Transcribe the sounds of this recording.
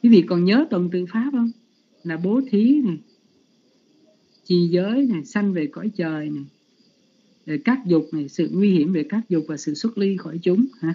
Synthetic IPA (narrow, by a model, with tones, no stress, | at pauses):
kwi˨˦vḭ˧˨kɔ˨˩nɲəː˨˦t̪wə˨˩nt̪ɨ̰˧˨faː˨˦p̚hə˧wŋ͡m | laː˨˩ɓo˨˦t̪ʰi˨˦na˨˩j | t͡ɕi˨˩zəː˨˦jna˨˩jsa˧jŋve˨˩kɔ̰˧˩˦jt͡ɕəː˨˩jna˨˩j | ve˨˩kaː˦˥k̚zʊ˨˩k͡p̚na˨˩jsɨ̰˧˨ŋwi˧hi˧˩əmve˨˩kaː˦˥k̚zʊ˨˩k͡p̚vaː˨˩sɨ̰˧˨swə˦˥t̚li˧xɔ˧˩jt͡ɕʊ˨˦ŋ͡mhaː˨˧˦